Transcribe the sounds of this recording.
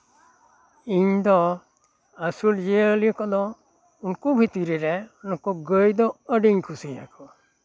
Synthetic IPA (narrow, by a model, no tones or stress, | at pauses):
iɲd̪ɔ | əsuld͡ʒeəlikɔd̪ɔ | unkubʱit̪iɾiɾɛunkɔɡəjd̪ɔəɖiɲkʰusija̰kɔ